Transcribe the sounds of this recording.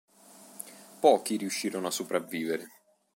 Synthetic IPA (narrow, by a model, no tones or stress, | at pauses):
pɔːkiɾiuʃːiːɾonoasːupɾavːiːveɾe